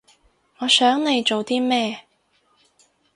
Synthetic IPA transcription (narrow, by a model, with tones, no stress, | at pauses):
ŋɔː˨˧sœː˨˥ŋne˨˧jt͡ʃo˨wt̪iː˥mɛː˥